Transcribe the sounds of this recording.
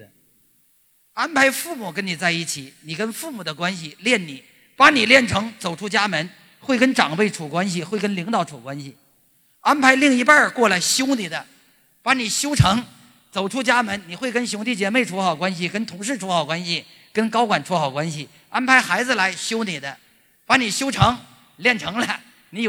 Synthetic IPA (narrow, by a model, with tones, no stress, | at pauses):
a˥npʰa˧˥ɪfu˥˩mu˨˩kə˥nni˨˩t͡sa˥˧ɪi˥˩t͡ɕʰi˨˩˦ni˨˩kə˥nfu˥˩mu˨˩d̪ə˦kwa˥nɕi˨ljɛ˥˩nni˨˩˦ | pa˧˥ni˨˩ljɛ˥˩nʈ͡ʂʰɤ˧˥ŋt͡so˨˩ʊʈ͡ʂʰu˥t͡ɕja˥mə˧˥n | xwe˥˩ɪkə˥nʈ͡ʂɑ˨˩ŋpe˥˩ɪʈ͡ʂʰu˨˩kwa˥nɕ̬i˨xwɪkə˥nli˧˥ŋt̪ɑ˨˧˩ʊʈ͡ʂʰu˨˩kwa˥nɕi˨˩ | a˥npʰa˧˥ɪli˥˩ŋi˧˥pa˞˥˩kwɔ˥˩lə˧ɕjo˥ʊni˨˩d̪ə˦ | pa˧˥ni˨˩ɕjo˥ʊʈ͡ʂʰɤ˧˥ŋ | t͡so˨˩ʊʈ͡ʂʰu˥t͡ɕja˥mə˧˥nni˨˩xwe˥˩ɪkə˥nɕ̬jʊ˧˥ŋt̪̬i˥˩t͡ɕjɛ˧˥me˥˩ɪʈ͡ʂʰu˧˥xɑ˨˩ʊkwa˥nɕi˨kə˥nt̪ʰʊ˧˥ŋʂ̬ɻ̩˥˩ʈ͡ʂʰu˧˥xɑ˨˩ʊkwa˥nɕi˨ | kə˥nkɑ˥ʊkwa˨˩nʈ͡ʂʰu˧˥xɑ˨˩ʊkwa˥nɕi˨˩ | a˥npʰa˧˥ɪxa˧˥ɪd͡zɹ̩˧la˧˥ɪɕjo˥ʊni˨˩d̪ə˦ | pa˧˥ni˨˩ɕjo˥ʊʈ͡ʂʰɤ˧˥ŋ | ljɛ˥˩nʈ͡ʂʰɤ˧˥ŋlə˧ | ni˧˥